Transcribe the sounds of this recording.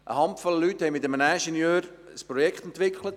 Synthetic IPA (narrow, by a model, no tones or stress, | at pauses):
ʔə̰hɑmpfɔlːəlythɛɪmɪtəmənæʃɛnjøːɾ | əspɾɔjɛkχt̪ɛnt̪ʋɪkʰχlət